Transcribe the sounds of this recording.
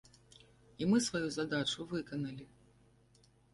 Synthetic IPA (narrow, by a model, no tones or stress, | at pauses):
imɨsvajuzɐd̪at͡ʂuvɨkɐnɐlʲi